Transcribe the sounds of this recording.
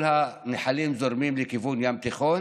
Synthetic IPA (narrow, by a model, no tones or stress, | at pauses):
lhaneħalimzoɾmimlekivunjamt̪iχon